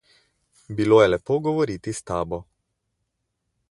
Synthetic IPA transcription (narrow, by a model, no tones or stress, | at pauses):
biloːjɛlɛpoɡɔʋɔɾiːt̪ist̪aːbɔ